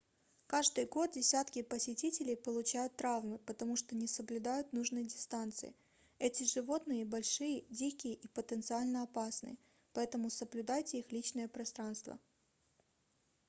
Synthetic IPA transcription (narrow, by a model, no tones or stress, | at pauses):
kaʐd̪ɨjɡo̞t̪̚dʲɪsʲat̪kʲɪpəsʲɪtʲitʲɪlʲɪjpəlˠʊt͡ɕæjʊt̪ːɾavmɨpət̪ɐmuʂt̪onʲɪsəblʲʊd̪ajʊt̪nuʐnɨjdʲɪst̪ant̪sɨ̰jɪ̰ | ɛtʲɪʐɨvo̞t̪nɨjəbɐlʲʂɨjədʲikʲɪjəʔipət̪ənt̪sɨalʲnəɐpasnɨ̰jə | pɐɛt̪əmʊsəblʲʉd̪ajtʲɪixlʲit͡ɕnəjəpɾɐst̪ɾanst̪və̰